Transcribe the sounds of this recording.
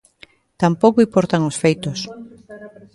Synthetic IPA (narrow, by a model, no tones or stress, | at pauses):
t̪ampowkoipoɾt̪aŋosfejt̪os